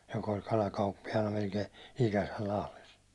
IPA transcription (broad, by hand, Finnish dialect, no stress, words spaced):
jok olʲ kɑlɑkɑupːijɑnɑ melkei ikæsæl lɑhles